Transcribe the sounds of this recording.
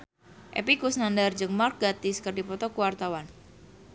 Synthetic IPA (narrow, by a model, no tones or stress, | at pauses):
ʔɛ̰pikusnandard͡ʒəŋmark̚ɡat̪ɪskərdipɔt̪ɔkuwart̪awan